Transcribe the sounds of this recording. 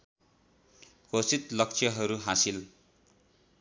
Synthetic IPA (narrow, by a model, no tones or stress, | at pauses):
kosit̪lʌkt͡sʰjʌɦʌɾuɦasil